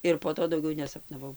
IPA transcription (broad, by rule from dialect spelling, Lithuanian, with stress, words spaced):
ɪr poː ˈtoː dɐʊˈɡʲɛʊ nʲɛsɐpnɐˈʋɐʊ